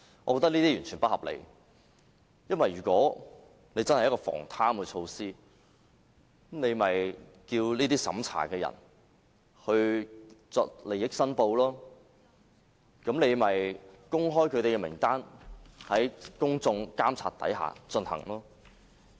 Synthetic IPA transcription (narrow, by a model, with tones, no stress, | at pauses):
ʔɔː˨˧kɔː˧t̪ɐ˥kniː˥t̪iː˥jyː˨˩nt͡ʃʰyː˨˩npɐ˥hɐ˨p̚lḛ˨˧j | jɐ˥nwɐ˨jɥyː˨˩kʷɔː˨˥ | ne˨˧jt͡sɐ˥nhjɐ˥kɔː˧fɔ̰ː˨˩ŋt̪ʰaː˥mkɛ˧t͡ʃʰo˧wsiː˥ | mne˨˧jmɐ˨j | kiː˧wliː˥t̪iː˥sɐ̰˨˥mt͡sʰa̰ː˨˩kɛː˧jɐ̰˨˩n | hɵ˧ɥt͡sɔː˧k̚le˨˩jɪ˨˥k̚sɐ˥npo˧wlɔː˥ | kɐ˨˥mne˨˧jmɐ˨jkʊ˥ŋɦɔː˥jkʰɵ˨˧t̪e˨kɛ˧mɪ̰˨˩ŋt̪aː˥nhɐ˨˥jkʊ˥ŋt͡sʊ˧ŋkaː˥mt͡sʰa̰ː˨˩t̪ɐ̰˨˥jɦa̰ː˨t͡sɵ˧nhɐ̰˨˩ŋlɔː˥